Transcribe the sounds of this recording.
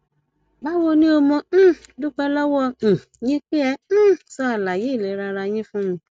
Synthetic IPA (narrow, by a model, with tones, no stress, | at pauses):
ba˦wo˧nĩ˦o˧mɔ̃˧˦dũ˦k͡pɛ˧lɔ˦wɔ̃˦˨ | jĩ˦k͡pe˦ɛ̃˧˦sɔ˧˦a˨la˨je˨˦˨le˨˦ɾa˧ɾa˧j̃ĩ˦fũ˦mũ˧